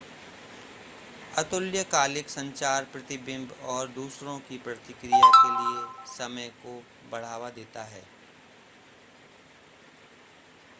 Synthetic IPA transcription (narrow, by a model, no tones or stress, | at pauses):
ɐt̪ʊljəkaːlɪksɐ̃ɲt͡ʃaːɾpɾɐt̪ɪbɪ̃mbɔːɾd̪uːsɾõkipɾɐt̪ɪkɾijakeliesɐməjko | bɐɽ̤aːʋad̪eːt̪aɦɛː